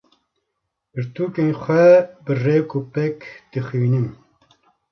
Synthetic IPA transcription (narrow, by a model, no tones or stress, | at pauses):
ɨɾt̪uːkenxʷɛbɨrewkupɛkd̪̥ɨxiːnim